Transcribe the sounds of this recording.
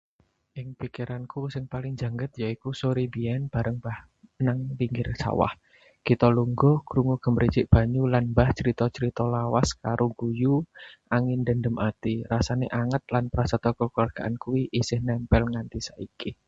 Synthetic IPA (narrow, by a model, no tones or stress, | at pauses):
ʔɪŋpikiɾankusɪŋpalɪŋd͡ʒa̤ŋɡət̪̚jaikusoɾibiɛnb̥a̤ɾəŋb̥ah | naŋliŋɡɪrsa̰wa̰h | kit̪ɔluŋɡɔkɾuŋuɡ̥ə̤mɾi̥d͡ʒɪʔb̥a̤ɲulanbaht͡ʃəɾit̪ɔt͡ʃəɾit̪ɔlawaskaɾʔoɡujuʔaŋɪnd̪ə̤ndəmʔat̪irasaneʔaŋət̪̚lanpəɾasat̪ɔkɔkuarɡ̥aʔankuwiʔisɪhnɛmpɛlŋant̪isaiki